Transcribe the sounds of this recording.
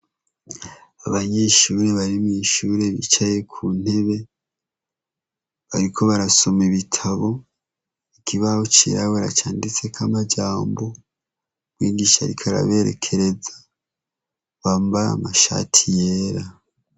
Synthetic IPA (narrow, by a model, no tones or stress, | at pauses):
aβaɲeʃuːɾe̞βaɾimŋiʃuːɾe̞βḭt͡ʃaje̞kʰuːn̥e̞βe̞ | βaɾikʰo̞βaɾaso̞meβitʰaβo̞ | ikʰiβaut͡ʃḭɾaβoɾat͡ʃaːndit͡sekʰamad͡ʒaːmbo̞ | ɡwiːɡiːʃaɾḭkʰaɾa̰βe̞ɾḛkʰe̞ɾe̞za | βambaɾa̰maʃa̰tʰijeːɾa